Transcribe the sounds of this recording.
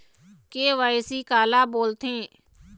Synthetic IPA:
keʋaɪsikaːlaːboːlt̪ẽː

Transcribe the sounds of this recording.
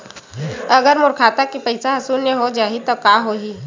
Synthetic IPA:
ɐɡəɾmʊɾkʰaːt̪akipɐɪsaɦɐsuːneɦod͡ʒaːɦit̪okaːɦoːɦiː

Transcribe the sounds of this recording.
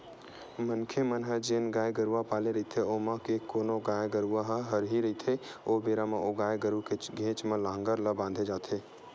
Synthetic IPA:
mənkʰemənɦəd͡ʒenɡaːjeɡəɾuwapaːleɾɐɦit̪ʰeomãkekoːnoɡaːjeɡəɾuaɦəɦəɾɦiɾəɦit̪ʰeoːbeːɾamãʔoɡaːjeɡəɾukeɡʱẽːt͡ʃmẽlaːə̃ŋɡəɾləbãːnd̪ʱed͡ʒaːt̪ʰeː

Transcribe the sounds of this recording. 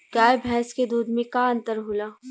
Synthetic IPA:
ɡaːjebʱɛ̃ːsked̪uːd̪mẽkaə̃nt̪əɾɦulaː

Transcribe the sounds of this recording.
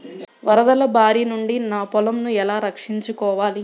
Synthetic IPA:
ʋɐɾɐd̪ɐlɐbʱaːɾinuɳɖinaːpɔlɐmnuɛlaːɾɐkʂiɲt͡ʃukɔːʋaːli

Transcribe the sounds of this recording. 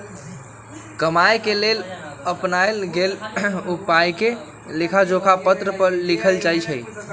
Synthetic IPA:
kəmajkeleləpnaelɡelupajke | lekʰad͡ʒokʰapət̪ɾəpəɾlikʰəlt͡ʃajt͡ʃʰə

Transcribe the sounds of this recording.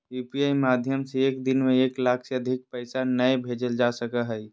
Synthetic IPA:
juːpiaimad̪ʱjəmseeːkd̪ɪnmeeːklaːkʰseəd̪ʱɪk̚pəɪsanəjbʱed͡ʒəld͡ʒasəkəɦəj

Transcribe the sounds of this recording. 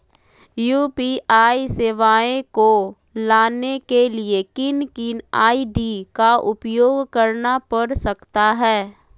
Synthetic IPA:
juːpiʔaːiseːʋaːẽko | laːnekeliekɪnkɪnaːidikaʔʊpjoːɡkɐɾnapɐɾsɐkt̪aɦɛː

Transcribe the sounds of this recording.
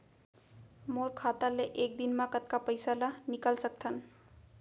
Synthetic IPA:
moɾkʰat̪aleʔek̚d̪inmãkət̪̚kapəɪsalanikəlsək̚t̪ʰən

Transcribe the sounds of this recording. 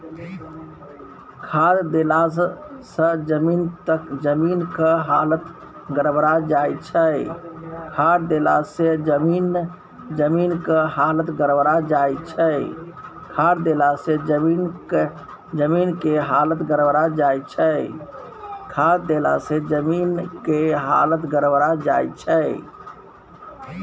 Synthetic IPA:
kʰad̪d̪elasə̃d͡ʒəmint̪əkd͡ʒəminkəɦalət̪ | ɡəɾbɾad͡ʒajt͡ʃʰəjkʰaɾd̪elased͡ʒəmin | d͡ʒəminkəɦalət̪ɡəɾbɾad͡ʒajt͡ʃʰə | kʰaɾd̪elased͡ʒəmin | d͡ʒəminkeɦalət̪ɡəɾəbɾad͡ʒajt͡ʃʰə | kʰaɾd̪ela̰sed͡ʒəminkeɦa̰lət̪ɡəɾəbɾad͡ʒajt͡ʃʰəj

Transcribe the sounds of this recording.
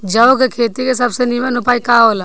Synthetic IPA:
d͡ʒaokekʰeːt̪ikes̬ɐbsenimənʊpaːikaːɦoːla

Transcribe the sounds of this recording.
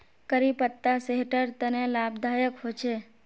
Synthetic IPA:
kəɾipət̪ːaseɦʈəɾt̪ənelabd̪ʱajəkɦot͡ʃʰe

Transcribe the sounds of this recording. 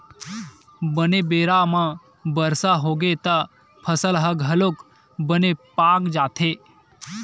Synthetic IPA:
bənebeːɾamã | bəɾsaɦoːɡet̪a | pʰəsəlɦəɡʱɐlok | bənepaːkd͡ʒaːt̪ʰeː

